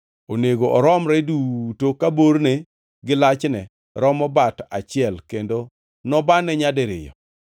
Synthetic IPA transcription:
oneɡoʔɔɾɔmɾɛdutokaboɾne | ɡɪlat͡ʃnɛ | ɾɔmɔbata̰t͡ʃɪɛlkendo | nɔbanɛɲadɛɾɪ̰jɔ̰

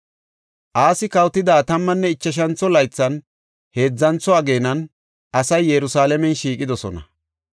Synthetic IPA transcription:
ʔaːsɪkɐwt̪ːɪd̪aːt̪ɐmːɐnːɛɪt͡ʃːɐʃ̬ɐnt͡sːɔlɐjt͡sːɐn | he̞ːd͡zːɐnt͡sːɔɐɡe̞ːnɐn | ʔɐsɐjːɛɾʊsaːlɛmɛnʃiːkʼɪd̪ɔsɔnɐ̰

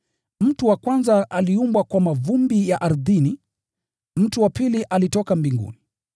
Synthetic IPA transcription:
m̩tuwakwanzaʔaliumbwakwamavumbijaʔaɾðini | m̩tuwapiliʔalitɔkambiŋɡṵni

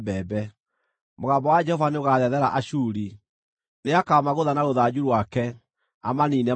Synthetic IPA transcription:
bɛːbɛ | moɣaːmbɔwad͡ʒɛhɔvaneoɣaðɛðɛɾaʔaɕuːɾi | neakaɔmaɣoðanaɣoðad͡ʑuɾwakɛ | amaniːnɛ

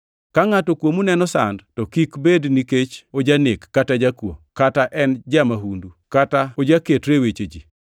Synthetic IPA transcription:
kaŋatɔkwomunɛnɔsa̰ndtɔkikbedniket͡ʃod͡ʒanɪkːatad͡ʒakwo̰kataʔɛnd͡ʒamaɦundukataod͡ʒaketɾewet͡ʃed͡ʒi

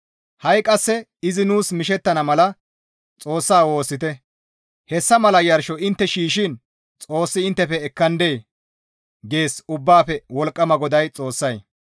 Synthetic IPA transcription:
hɐjkʼɐsːɛ | ɪzɪnuːsmɪʃ̬ɛt̪ːɐnɐmɐlɐ | t͡sʼo̞ːsːaːwo̞ːsːɪt̪ɛ | hɛsːɐmɐlɐjɐɾʃɔɪnt̪ːɛʃiːʃɪn | t͡sʼo̞ːsːɪɪnt̪ːɛfɛɛkːɐnd̪eː | ɡe̞ːsʊbːaːfɛwɔlkʼːɐmɐɡɔd̪ɐjt͡sʼo̞ːsːɐj

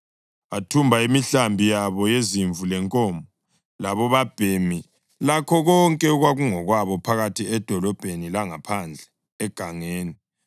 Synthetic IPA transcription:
atʰumbʱaimiɬambʱijaβɔjeziɱvulɛŋkʼɔmbʱɔ | laβɔβab̥ʱemi | lakʰɔɣɔŋkʼɛuɣwaɣuŋɔɣwaβɔpʰaɣatʰiɛd̥ʱɔlɔb̥ʱenilaŋapʰand͡ɮʱɛː | ɡ̥ʱaŋeːni

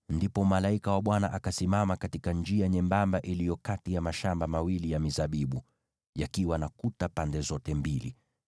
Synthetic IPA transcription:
ndipɔmalaikawaɓwanaʔakasimamakatikand͡ʒiaɲɛmbambaʔilijɔkatijamaʃambamawilijamizaɓiɓu | jakiwanakutapandɛzɔtɛmbilḭ

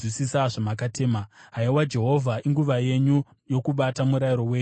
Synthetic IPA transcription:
isisaʐamakateːmaɦaiwad͡ʒe̞ɦo̞vʱaʔiŋɡuʋaje̞ɲu | jo̞kuɓatamuɾajiɾo̞weː

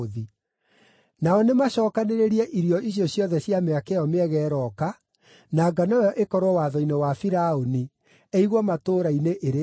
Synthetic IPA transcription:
ði | naɔnemaɕɔːkaneɾeɾiɛʔiɾiɔiɕjɔɕjɔðɛɕjameakeɔmeɛɣɛːɾɔka | naɡanajɔʔekɔɾwɔwaðɔinewafiɾaoni | eiɣwɔmatoːɾaineʔeɾe

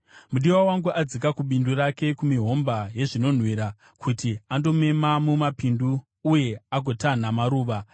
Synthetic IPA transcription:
muɗiwawaŋɡuʔad͡zikakuɓinduɾake̞kumiɦo̞mbaje̞ʐino̞n̤wiɾa | kʰutiando̞me̞mamumapinduː | je̞aɡʱotan̤amaɾuːʋa

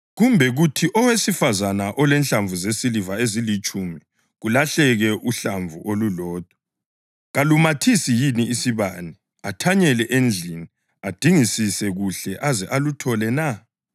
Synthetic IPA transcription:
ɣumbʱɛɣutʰiʔɔwesifazanaʔɔlɛnɬaɱvuzesilivaezilit͡ʃʼumi | ɣulaɬɛɣɛʔuɬaɱvʱuʔolulɔːd̥ʱɔ̥ | ɣalumatʰisijiniisiβani | atʰaɲɛlɛʔend͡ɮʱini | ad̥ʱiŋisisɛɣuɬɛʔazɛʔalutʰɔlɛna

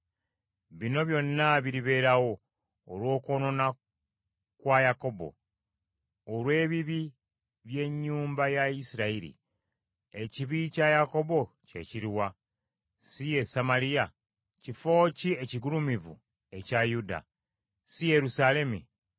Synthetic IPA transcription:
βino̞βjo̞nːaβiɾiβe̞ːɾawo̞ː | lwo̞ːkoːno̞na | kwajako̞bo̞̰ | lwe̞ːβiβi | βje̞ɲːuːmbajaisiɾaiɾḭ | e̞ciβicajako̞bo̞ce̞̰ciɾiwa | sije̞samaɾija | cifo̞ːcie̞ciɡulumivṵ | e̞cajuda̰ | sije̞ɾusale̞mi

